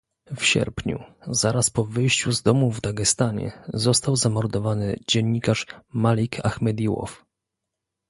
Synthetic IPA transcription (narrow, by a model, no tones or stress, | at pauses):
fɕɛ̰ɾpɲṵzaɾaspɔvɘjɕt͡ɕuzd̪ɔmuvd̪aɡɛst̪aɲɛ̰zɔst̪awzamɔɾd̪ɔvanɘd͡ʑɛɲːikaʂmalʲikʰaxmɛd̪ʲiwɔ̰f